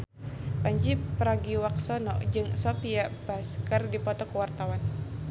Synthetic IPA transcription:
paɲd͡ʒipɾaɡiwak̚sɔnɔd͡ʒɨŋsopiabaskərdipɔt̪ɔkəwart̪awan

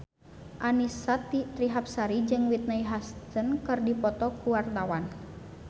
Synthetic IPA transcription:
ʔanisat̪it̪ɾiɦap̚saɾid͡ʒɨŋwit̪̚naiɦast̪ənkɨrdipɔt̪ɔkuwart̪awan

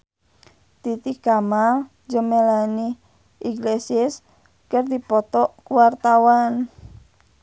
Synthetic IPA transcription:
t̪it̪ikama | d͡ʒəmelani | ʔiŋɡlesɪs | kərd̪ipɔt̪ɔʔkwart̪awan

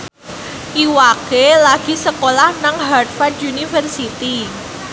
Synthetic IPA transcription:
ʔiwakelaɡ̥i̤səkolahnaŋɦart̪fard̪unifərsit̪i

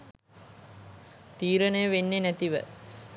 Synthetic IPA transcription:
t̪iːɾənəjəʋenːenæt̪iʋə̰

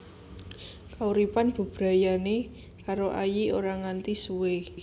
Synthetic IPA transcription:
kauɾipanb̥ə̤b̥ɾa̤jane | kaɾoʔajioɾaŋant̪isuwe

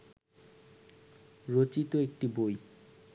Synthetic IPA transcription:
ɾot͡ɕit̪oek̚ʈiboj

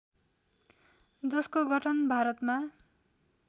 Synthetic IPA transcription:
d͡zʌskoɡʱʌʈʰʌnbʱaɾʌt̪ma

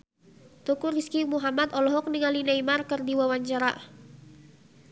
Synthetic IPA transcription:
t̪ɔkuriskimuɦamat̪ɔlɔɦɔk̚niŋalinaimarkɨrdiwawaɲt͡ʃaɾa̰

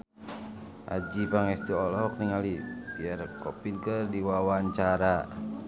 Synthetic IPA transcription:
ʔa̰d͡ʒipaŋɛst̪uɔlɔk̚niŋalibiarkɔpilkərdiwawaɲt͡ʃaɾa

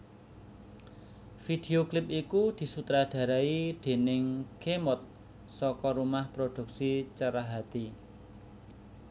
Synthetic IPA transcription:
fid̪̥e̤oklɪp̚ikud̪̥i̤sut̪ɾad̥ä̤ɾaid̪̥e̤nɪŋkemɔt̪̚ | sɔkɔɾumahpɾod̥ṳk̚sit͡ʃəɾaɦat̪i

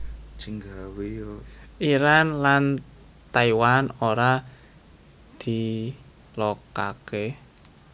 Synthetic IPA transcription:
d͡ʒəŋɡawe | ʔiɾanlan | t̪aiwanoɾa | d̪̥i | loka̰ke

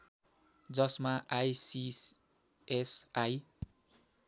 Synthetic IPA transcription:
d͡zʌsmaʔajsis | esaj

